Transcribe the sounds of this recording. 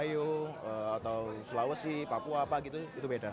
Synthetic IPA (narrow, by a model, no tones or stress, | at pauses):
joəat̪awsulawəsɪhpapuaːpaɡit̪uit̪ubeda